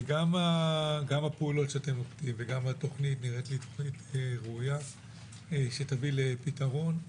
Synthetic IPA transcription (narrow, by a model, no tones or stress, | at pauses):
ɡamaɡamapeulo̞tʃeate̞moktimveɡamato̞χnitniʁetlit̪oχniteʁeuja | eʃet̪avilepitaʁo̞n